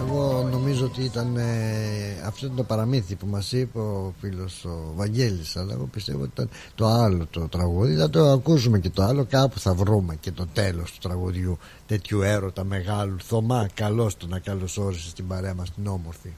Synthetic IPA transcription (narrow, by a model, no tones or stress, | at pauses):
eɣo̞no̞mizoot̪iit̪ɐne | ɐft̪oit̪ɐnt̪opɐɾɐminθipumɐsipofilo̞sovɐɲɟe̞lisɐlɐ̰ḛɣo̞̰pist̪e̞vot̪it̪ɐn | t̪o̞ɐlo̞t̪ot̪ɾɐɣuðiθɐt̪o̞ɐkusume̞ce̞t̪oɐlo̞kɐpuθɐvɾume̞ce̞t̪o̞t̪e̞lo̞st̪u̥t̪ɾɐɣuðʝu | t̪e̞t̪çue̞ɾo̞t̪ɐme̞ɣɐluθo̞mɐkɐlo̞st̪onɐkɐlo̞so̞ɾisest̪ibɐɾe̞ɐmɐst̪ino̞moɾθi